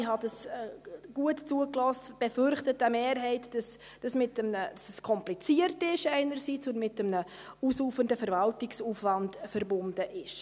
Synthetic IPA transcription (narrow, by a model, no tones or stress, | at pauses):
ɦɑdɑs | ɡ̥uətt͡suəklɔstb̥ɛfʏɾχtət̚əmeːɾɦɛɪtd̥ɑs | d̥ɑsmɪtəmnəd̥ɑsəskʰɔmplit͡siəɾtɪʃɛɪnəɾsiːt͡sʊnmɪtəmnə | uːsuːfəndəfɛɾvɑltɪksuːfvɑndfəɾbʊndəʔɪʃ